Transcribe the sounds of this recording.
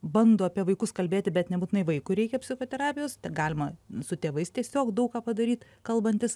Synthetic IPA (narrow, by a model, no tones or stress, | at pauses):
bɐnd̪oːɐpʲiɛʋɐɪkʊskɐlʲbʲeːt̪ʲɪbʲɛt̪nʲɛbutʲɪnɐɪʋɐɪkʊɪɾʲɛɪkʲɛpʲsʲɪxoːt̪ʲɛɾɑːpʲɪjoːst̪ʲɛɡɑːlʲɪmɐsʊt̪ʲeːʋɐɪst̪ʲiɛsʲoːkd̪ɐʊkɑːpɐd̪ɐɾʲiːt̪ | kɐlˠbɐnʲt̪ʲɪs